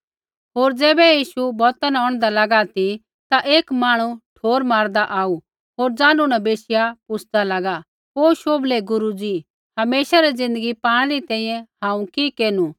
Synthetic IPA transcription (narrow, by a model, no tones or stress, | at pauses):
ɦoːɾd͡zɛːbɛjiːʃubɔːt̪anaɔ̃ːɽ̃d̪alɐɡat̪i | t̪aʔeːkmaːɽ̃uʈʰoːɾmaːɾd̪aʔaːu | ɦoːɾd͡zãːnunɐbeːsɪjapʊsʰd̪alɐɡa | ɦoːʃoːblɛɡʊɾud͡zi | hɐmeːʃaɾɛd͡zɪ̃nd̪əɡipaːɽ̃ɛɾit̪ɛ̃ːĩːjɛ̃hãːũkikeːnu